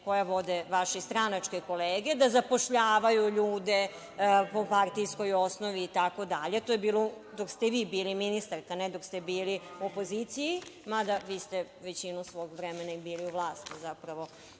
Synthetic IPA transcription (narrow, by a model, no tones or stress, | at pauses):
ko̞jaʋo̞d̪eʋaʃist̪ɾanat͡ʂkeko̞leːɡe̞d̪azapo̞ʃʎaːʋajuʎuːd̪e | po̞paɾt̪isko̞jo̞snoʋiːt̪ako̞d̪aʎet̪oːjebiːlˠod̪o̞kst̪eʋiːbiːliminist̪aɾkaned̪o̞kst̪ebiːliopo̞ziːt̪sijimad̪aʋiːst̪e | ʋet͡ɕinusʋo̞ːɡʋɾemenaibiːliuʋlˠaːst̪izapɾaʋo̞